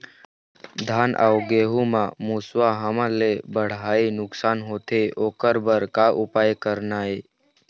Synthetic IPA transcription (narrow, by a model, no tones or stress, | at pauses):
d̪ʱaːnʔa̰ʊɡeːɦumãmuswaɦəmãlebəɽ̤aːinʊksaːnɦoːt̪ʰeoːkəɾbəɾkaʔʊpaːjkəɾnaːe